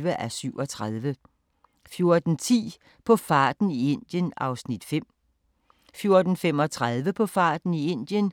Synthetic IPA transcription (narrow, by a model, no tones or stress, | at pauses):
ʋəʔæsyʊɒ̽t͡sʰʁaðˠʋə | fjo̝ɐd̥n̩t͡sʰḭː | pʰɒ̽fɑ̈ːd̥n̩ie̝n̰d̥jənɑ̈ʊsnid̥fem̰ | fjo̝ɐd̥n̩fem̰ɒ̽t͡sʰʁað̞ˠʋəpʰɒ̽fɑ̰̈ːd̥n̩ie̝n̰d̥jən